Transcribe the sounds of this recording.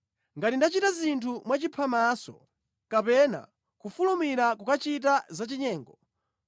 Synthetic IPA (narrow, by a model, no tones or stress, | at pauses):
ŋɡatindat͡ʃitazintʰumwat͡ʃipʰamasɔ̰ | kapɛna̰ | kufulumiɾakukat͡ʃit̬azat͡ʃiɲɛːŋɡɔ